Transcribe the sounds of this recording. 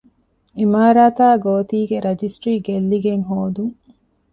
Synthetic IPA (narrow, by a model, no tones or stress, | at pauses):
imaːɾaːt̪aːɡoːt̪iːɡeɾɐd͡ʒisʈɾiːɡelːiɡeŋɦoːd̪uŋ